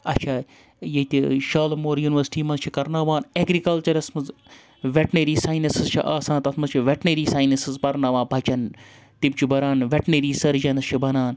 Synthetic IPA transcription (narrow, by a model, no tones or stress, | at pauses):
ɐt͡ʃʰaː | jet̪ʲiʃaːlmoːɾjuːniʋɐɾsʈiːmɐnzt͡ʃʰikɐɾnaːʋaːneːɡɾikɐlt͡ʃɐɾɐsmɐz | ʋeʈneɾiːsaːjnɐsɨzt͡ʃʰḭʔaːsãːnt̪ɐt̪ʰmɐzt͡ʃʰiʋʲeʈneɾiːsaːjnɐsɨzpɐɾnaːʋãːnbʱɐt͡ʃɐn | t̪ib̚t͡ʃʰubɐɾaːnʋʲeʈɳeɾiːsɐɾd͡ʒɐnɐst͡ʃʰibɐnaːn